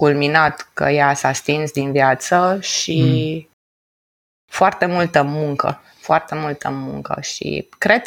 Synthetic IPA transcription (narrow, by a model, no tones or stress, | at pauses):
kulminat̪kə̰jasast̪insd̪invjat̪səʃi | foart̪e̞mult̪əmuŋkə̰ | foart̪e̞mult̪ʰəmuŋkə̰ʃḭkɾe̞d̪̚